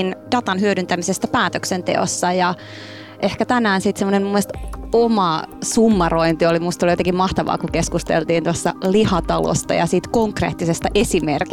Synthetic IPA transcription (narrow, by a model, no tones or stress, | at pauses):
nd̥ɑt̪ɑnɦyødynt̪æmisest̪ːæpæːt̪øksent̪ḛosːɑjɑ | ʔehkæt̪ænæːnsit̪semːonemmumːoest̪omɑsumːɑroint̪iolimust̪olijot̪eŋkimɑht̪ɑʋɑ̰ːkukeskust̪ḛlt̪iːnt̪uɑsːɑ̰lihɑt̪ɑlo̰st̪ɑ̰jɑ̰siːt̪koŋkrḛːt̪ːisest̪ɑʔesimerk